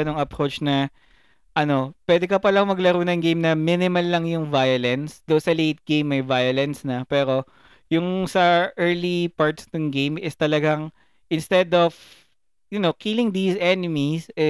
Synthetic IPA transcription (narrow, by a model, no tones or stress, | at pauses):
ɐnoŋɐpɾot͡ʃnɐ | ʔɐno̞pwɛːd̪ɛkɐpɐlɐŋmɐɡlɐɾuːnɐŋɡejmnɐminɪmɐlːɐŋjʊŋvajɐlɛnsd̪onsɐlejt̪̚ɡ̥ẽjmɐjvajɐlɛnsnɐpɛːɾo̞ | jʊŋsɐʔɛɹlipaɹt̪snɐŋɡejmɪst̪ɐlɐɡaŋ | ʔɪnst̪ɛd̪ov | jʊnokilɪŋd̪isɛnɪmisɛ